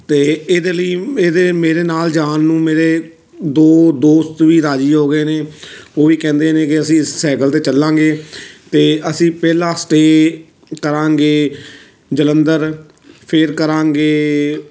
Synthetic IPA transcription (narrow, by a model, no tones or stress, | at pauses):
t̪eːeːd̪eːləiːeːd̪eːmeːɾeːnaːld͡ʒaːnːũːmeːɾeː | d̪oːd̪oːst̪ʋiːɾaːd͡ʒiːɦoːɡəeːneːoːʋiːkɛ̃ːnd̪eːnẽːkɪəsĩːɪssɛːkəlt̪eːt͡ʃəlːãːŋɡeːt̪eːəsĩːpɛːlãːsʈeː | kəɾãːŋɡeː | d͡ʒələnd̪əɾ | pʰɪɾkəɾãːŋɡeː